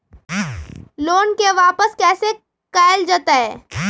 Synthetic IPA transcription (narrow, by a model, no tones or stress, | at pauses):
loːnkeʋaːpəskɛːse | kaːɪld͡ʒaːt̪aɦɛː